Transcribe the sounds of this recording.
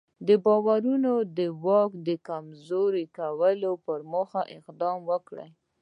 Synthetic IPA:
d̪əbɑwaɾunod̪əwɑkd̪əkamzoɾekawəlopəɾmoxaʔɪqd̪ɑmwəkɽə̰j

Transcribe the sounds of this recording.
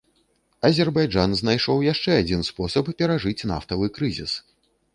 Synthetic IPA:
ɐzʲɛrbajd͡ʐanznajʂɔwjaʂt͡ʂɛad͡zʲinspɔsɐpːʲɛɾaʐɨt͡sʲna̰ft̪ɐvɨkɾɨzʲḭs

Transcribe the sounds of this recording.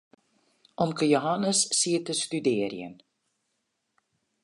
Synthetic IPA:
ʔɔmkəjoɦanəsːiːətəstydɪərjə̰n

